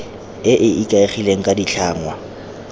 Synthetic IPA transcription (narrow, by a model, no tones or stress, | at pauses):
ɪʔɪʔikʼaɪχileŋ̩kʼadiɬʰaːŋwa